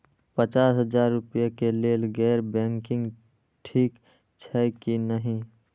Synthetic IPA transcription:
pət͡ʃaːsɦəd͡ʒaːɾːʊpjakeleːlɡɛːɾbɛ̃ːŋkɪ̃ŋɡ | ʈʰiːk | t͡ʃʰɛkinəɦĩ

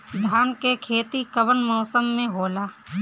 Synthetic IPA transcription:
d̪ʱaːnkekʰeːt̪ikəʋənmɔːsəmːẽɦoːlaː

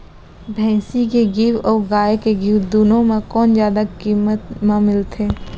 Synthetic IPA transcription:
bʱɛ̃ːsikeɡiːwɔːɡaːekeɡiwd̪uːnõmẽkɔːnzjaːd̪akiːmət̪mãmɪlt̪ʰeː

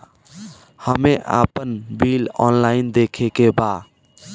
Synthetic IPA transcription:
həmeʔa̰pənbilɔ̰nlaɪnd̪ekʰekeba

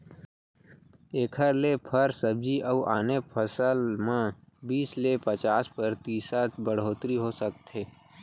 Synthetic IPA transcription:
eːkʰəɾlepʰəɾsəb̚d͡ʒiʔəuʔaːnepʰəsəlmã | biːslepət͡ʃaːspəɾt̪iːsat̪ʰbəɽ̤oːt̪ɾiɦoːsəkt̪eː

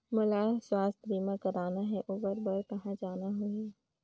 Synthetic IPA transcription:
mʊlaːswaːst̪ɾiːmãkɐɾaːnaɦɛʔuːbəɾbəɾkɐɦãd͡ʒaːnaɦʊɛː

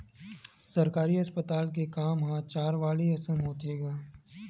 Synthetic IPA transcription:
sɐɾkaːɾiɐspət̪aːlk̬ekaːmɦãt͡ʃaːɾʋaːliɐsəmɦoːt̪eːɡaː

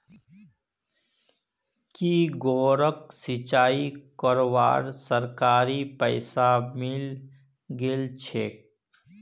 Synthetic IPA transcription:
kiːɡoːɾəksɪt͡ʃaːikɔɾʋa̰ːɾsəɾkaːɾipəɪsamɪl | ɡɪlt͡ʃʰeːk̚

